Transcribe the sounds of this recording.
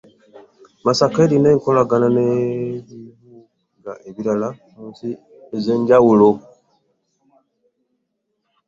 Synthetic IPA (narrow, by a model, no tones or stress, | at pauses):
masakeːɾineːŋko̞laɡananeβiβu | ŋɡaʔeβiɾala | muːnsi | eze̞ːɲɟawulo